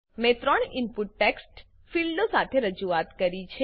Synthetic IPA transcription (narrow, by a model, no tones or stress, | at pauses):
mẽt̪ɾəɳɪmpuʈːeksʈ | filɖosat̪ʰeɾəd͡ʒuat̪kəɾit͡ʃʰe